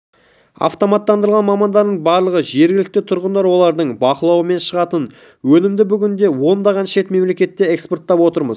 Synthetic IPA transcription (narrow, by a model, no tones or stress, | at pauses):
ɑ̰ft̪o̞mɑt̪ːɑnd̪əɾˠʁɑnmɑmɑnd̪ɑɾd̪əɴbɑɾlˠəʁəʒe̞ɾɡʲɪlɪk̚t̪ɪt̪ʰʊɾʁənd̪ɑɾwo̞lˠɑɾd̪əɴbɑqəlˠɑwəme̞nʃəʁɑt̪ən | wɵnɪmd̪ɪbʏɡʲɪnd̪e̞wo̞nd̪ɑʁɑnʃe̞t̪me̞mle̞kʲe̞t̪ːe̞ekspo̞rt̪ːɑpwo̞t̪əɾməz